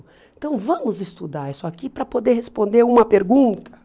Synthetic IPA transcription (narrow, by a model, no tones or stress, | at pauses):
ẽnt̪ɐ̃w̃vɐ̃mʊzɪst̪ud̪aɾisʊakipɾɐpod̪eɾhespõnd̪eɾũmɐpeɾɡũnt̪ɐ̥